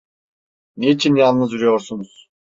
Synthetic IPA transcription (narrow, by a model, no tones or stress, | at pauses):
neit͡ʃʰinjalˠnːɯzuɾyjo̞ɾsunuz̥